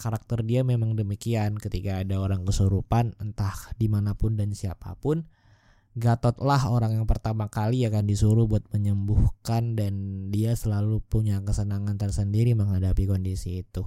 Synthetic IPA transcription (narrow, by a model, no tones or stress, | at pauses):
kaɾak̚t̪ərdiamemaŋdəmikiankət̪ikaːdaoɾaŋkəsuɾupanənt̪ahdimanapʊndansiapa̰pʊn | ɡat̪ɔt̪lahoɾaŋjaŋpərt̪amakaliakandisuɾʊhbuat̪̚məɲəmbuhkandandiasəlalupuɲakəsənaŋant̪ərsəndiɾiməŋɦadapikondisiːt̪u